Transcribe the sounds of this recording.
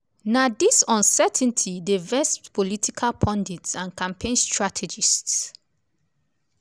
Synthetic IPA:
nadisɔ̃nsɛtʰn̩tʰidevɛsptpʰɔlitʰikʰalpʰɔ̃nditsãnkãmpʰẽnstɹatʰɛd͡ʒists

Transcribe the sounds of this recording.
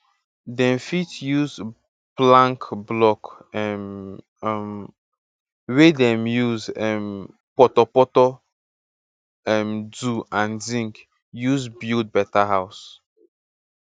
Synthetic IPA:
dɛ̃mfitjuz | plãŋkblɔk | ɛm | m | wedɛ̃mjuzɛm | pɔtɔpɔtɔ | ɛmduãnzĩŋk | juzbild̚bɛtaɦaʊs

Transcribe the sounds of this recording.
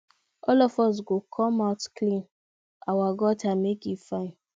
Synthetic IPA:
ɔlɔfɔs̬ɡokʰɔ̃maʊtklĩn | awaɡɔtamekifãɪ̃n

